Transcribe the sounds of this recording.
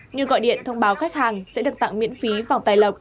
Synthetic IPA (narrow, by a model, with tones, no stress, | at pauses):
ɲɨ˨˩əɣɔ̰˧˨jɗḭ˧˨ənt̪ʰə˧wŋ͡mɓaː˨˦wxa˦˥k̟̚haː˨˩ŋsɛ̰˧˥ɗɨ˨˩k̚t̪a̰˧˨ŋmḭ˧˥ənfi˨˦vaː˨˩wt̪aː˨˩jlə˨˩k͡p̚